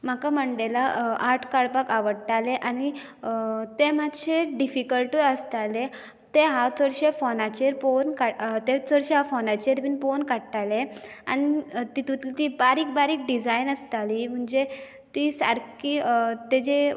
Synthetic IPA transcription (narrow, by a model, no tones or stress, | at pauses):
m̤akaməɳɖelaʔaʈʰkaɭpakaʋəɽt̪aleʔañi | t̪emat̪ɕeɖifikəlʈiəst̪ale | t̪eɦat͡səɽɕefɔnat͡ɕeɾponkat̪et͡səɽɕeɦafɔnat͡ɕeɾpiːnponkaɽt̪alea̰nit̪it̪ut̪lit̪ibaɾiːk̚baɾiːk̚ɖid͡zajnəst̪alim̤əɳd͡ze | t̪isa̰ɾkit̪ed͡ʑe